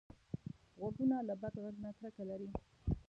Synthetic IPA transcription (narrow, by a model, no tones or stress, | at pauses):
ɣoɡunalabad̪ɣaɡnat̪ɾəkalaɾi